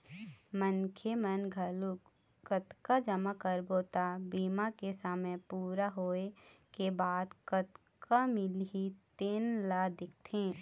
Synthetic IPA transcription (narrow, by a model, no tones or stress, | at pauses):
mənkʰemənɡʱəluk | kət̪kad͡ʒəmakəɾboːt̪abiːmakesamẽpuːɾaɦoːekebaːd̪kət̪ | kamɪlɦit̪eːnlad̪ɪk̚ʰt̪ʰẽː